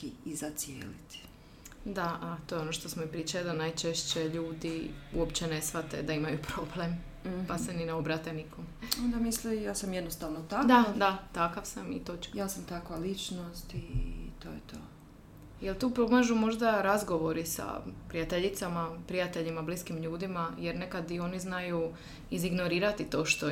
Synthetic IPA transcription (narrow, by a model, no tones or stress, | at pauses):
iizat̪sjḛːlit̪i̥ | d̪aat̪o̞ːjeo̞noʃt̪o̞smoipɾiːt͡ʃajud̪anajt͡ʃeʃt͡ɕeʎuːd̪iuopt͡ɕene̞sʋat̪ḛd̪aimajupɾo̞blem | pasenineobɾat̪enikomond̪amislijaːsamjed̪nost̪aʋnot̪akd̪ad̪at̪akaʋsamḭt̪ot͡ʃkjaːsamt̪akʋalit͡ʃnost̪it̪oːjet̪o̰ː | jelˠt̪uːpɾoɡlaʒumo̞ʒd̪aɾazɡo̞ʋo̞ɾisa̰pɾijat̪e̞ʎit̪samapɾijat̪e̞ʎimabliskimʎuːd̪imajeɾne̞kad̪io̞niznaju | iziɡno̞ɾiːɾat̪it̪o̞ːʃt̪o